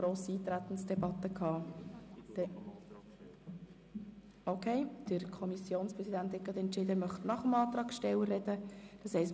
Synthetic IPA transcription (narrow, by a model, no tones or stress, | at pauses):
ɾoːsiiːt̪ɾæt̪n̩sd̥̪ɛbɑt̪ːəkʰhɑ̥ː | okʰeɪd̥əɾkʰɔmisjoːnspɾɛsid̪ænt̪hɛt̚ɡɑdɛntt͡ʃɪd̪əmœχtnɑχəmɑːt̪ɾɑːkʃtɛwəɾɛd̥̪əd̥ɑshɛɪs